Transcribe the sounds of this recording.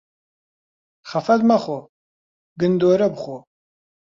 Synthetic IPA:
χɐfɐd̪maχɔ | ɡɨnd̪oːɾɐbχʷɔ

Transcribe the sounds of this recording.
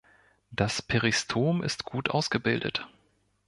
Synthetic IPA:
d̥aspʰeʁistʰoːmʔɪ̰stɡ̥uːtʔa̰ʊsɡ̥əbɪldə̰t

